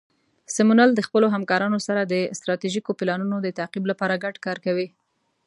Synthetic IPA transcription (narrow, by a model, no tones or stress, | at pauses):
sɪmunald̪əxpəloɦamkɑɾɑnosaɾad̪əɪst̪ɾɑt̪iʒikopɪlɑnunod̪ət̪aqiblapɑɾaɡaɖkɑɾkawi